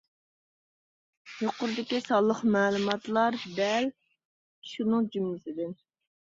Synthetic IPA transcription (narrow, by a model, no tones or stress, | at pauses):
joqʊɾd̪ɪkʲisɑlˠəχmɛːlˠumɑt̪lˠɑɾd̪ɛl | ʃunɨŋd͡ʒymlɪsɪd̪ɪn